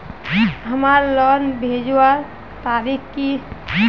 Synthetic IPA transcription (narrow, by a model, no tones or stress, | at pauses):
ɦəmaɾlɔnbʱed͡ʒwaɾ | t̪aɾikki